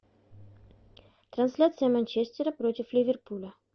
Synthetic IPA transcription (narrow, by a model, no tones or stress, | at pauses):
t̪ɾɐnsʲlʲat̪sɨjəmɐnʲt͡ɕesʲt̪ʲɪɾəpɾotʲɪflʲɪvʲɪrpulʲə